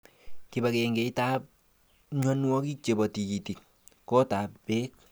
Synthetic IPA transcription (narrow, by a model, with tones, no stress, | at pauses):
ki˨ba˨ke˨ŋɡe˨i˦ta˦p̚ | ɲɔ˦nwɔ˦ki˦t͡ʃe˨bɔ˨ti˨ki˨ti˨k̚ | kɔ˦ta˨ppeː˦k̚